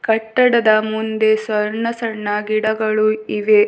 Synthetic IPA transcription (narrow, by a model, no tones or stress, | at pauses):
kɐʈːɐɽɐd̪ɐmund̪e̞sʋɐɾɳɐsɐɳːɐɡiɽɐɡɐɭuiʋe